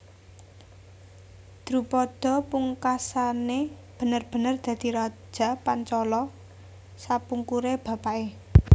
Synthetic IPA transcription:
d̪̥ɾupɔd̪̥ɔ̤puŋkasaneb̥ə̤nərb̥ə̤nərd̪̥ä̤d̪̥iɾḁʒ̥a̤pant͡ʃɔlɔ | sapuŋkuɾeb̥ä̤paʔe

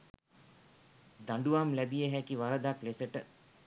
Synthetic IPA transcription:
d̪aɳɖuʋamlæbijəɦækiʋaɾəd̪aklesəʈə

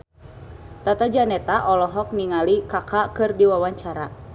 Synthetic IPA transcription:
t̪at̪ad͡ʒanɛt̪aʔɔlɔɦɔk̚niŋalikakakɨrdiwawaɲt͡ʃaɾa

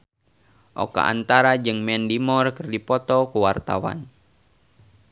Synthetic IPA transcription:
ʔo̰ka̰ʔa̰nt̪aɾad͡ʒɨŋmɛndimɔrkɨrdipɔt̪ɔkuwart̪awa̰n

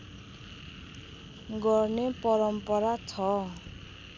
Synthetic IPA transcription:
ɡɔrnepɔɾʌmpʌɾat͡sʰʌ

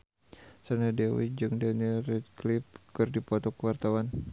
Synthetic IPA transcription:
sanadɛwḭd͡ʒɨŋdanirɛt̪̚klip̚kɨrdipɔt̪ɔkəwart̪awan

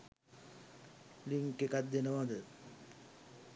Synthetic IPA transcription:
liŋkekad̪ːenəmad̪ə

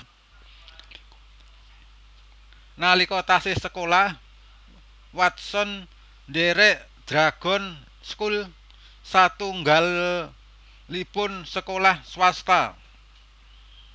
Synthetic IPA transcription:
nalikɔt̪asɪsəkolah | wat̪̚sɔn | deɾɛʔ | d̪̥ɾaɡ̥ɔ̤n | skul | sat̪uŋɡal | ipʊnsəkolahswast̪a

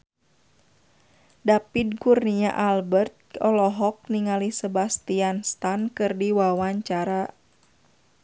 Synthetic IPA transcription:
dapidɡurniaʔalbərt̪̚ɔlɔɦɔk̚niŋalisəbast̪ianst̪ankɨrdiwawaɲt͡ʃaɾa

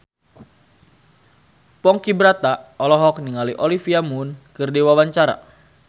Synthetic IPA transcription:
pɔŋkibɾat̪aɔlɔɦɔkniŋaliʔɔlifiamunkɨrdiwawaɲt͡ʃaɾa̰

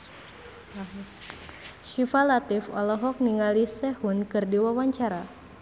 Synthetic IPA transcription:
ʃifalat̪ifɔ̰lɔɦɔk̚niŋalisɛhunkɨrdiwawaɲt͡ʃaɾa

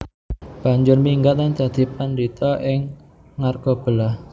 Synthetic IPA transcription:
b̥a̤ɲd͡ʒʊrmiŋɡat̪̚ant͡ʃad̪̥i̤pandit̪ɔʔɪŋː | arɡ̥ob̥əlah

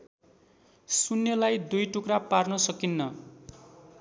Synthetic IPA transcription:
sunːjʌlajd̪ujʈukraparnʌsʌkinːʌ

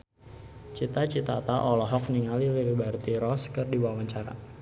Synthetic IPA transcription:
t͡ʃit̪at͡ʃit̪at̪aʔɔlɔɦɔk̚niŋaliliɾibart̪iɾɔskɨrdiwawaɲt͡ʃaɾa̰

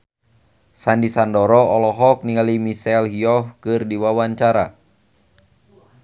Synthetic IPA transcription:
sandisandɔɾɔɔlɔɦɔk̚niŋalimisɛlɦiɔfkɨrdiwawaɲt͡ʃaɾa̰

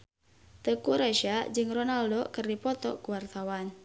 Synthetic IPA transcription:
t̪əkuɾaʃad͡ʒɨŋronaldokɨrdipɔt̪ɔ̰kuwart̪awan

